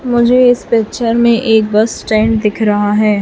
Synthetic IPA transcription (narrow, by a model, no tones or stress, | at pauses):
mʊd͡ʒʱeɪspɛːt͡ʃʰəɾmẽʔeːk̚bɐsʈɛːɳɖ̚d̪ɪkʰɾɐɦaɦɛː